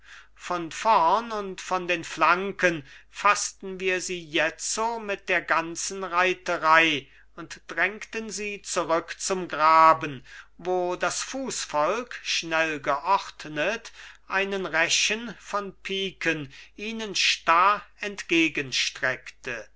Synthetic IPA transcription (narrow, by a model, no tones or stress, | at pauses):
fɔnfɔɐnʊntfɔndeːnflaŋkənfastn̩viːɐziːjɛt͡soːmɪt̚d̥eːɐɡant͡sn̩ʁaɪtəʁaɪ | ʊntd̥ʁɛŋktənziːt͡suʁʏkt͡sʊmɡʁaːbənvoːdasfuːsfɔlkʃnɛlɡəʔɔʁtnətʔaɪnənʁɛʃənfɔnpʰiːkʰənʔiːnənʃtaːɛntɡ̥eːɡənʃtʁ̥ɛktə